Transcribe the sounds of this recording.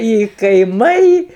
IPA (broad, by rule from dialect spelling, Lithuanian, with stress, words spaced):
ɪ kɐɪˈmɐɪ